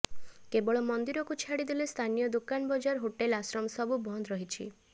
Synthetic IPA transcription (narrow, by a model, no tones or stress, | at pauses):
kebɔɭɔmɔnd̪iɾɔkut͡ʃʰaɽid̪ilest̪ʰanijɔd̪ukanbɔd͡ʒaɾɦoʈelasɾɔmɔsɔbubʱɔnd̪ɾɔɦit͡ʃʰḭ